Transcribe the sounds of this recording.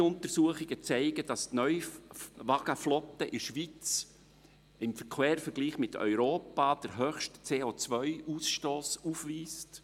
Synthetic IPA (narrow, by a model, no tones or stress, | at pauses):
ʊntəɾsuəχɪɡət͡sæɪɡəd̥ɑstnœʏʋɑɡəflɔtəʔɪʃʋit͡s | ɪmfəɾkʰweːɾfəɾɡ̥liːχmɪtʰœ̰ʏɾoːpɑːd̥əɾɦøχʃtt͡seːoːt͡sʋœʏʔusʃtoːsufʋiːst